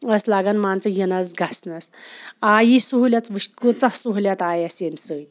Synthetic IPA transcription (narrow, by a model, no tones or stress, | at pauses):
əslaɡanmant͡səjənasɡʱasnasajisuɦljat͡s̪ʋiʃkut͡sasuɦlʲjat̪ajasemsəj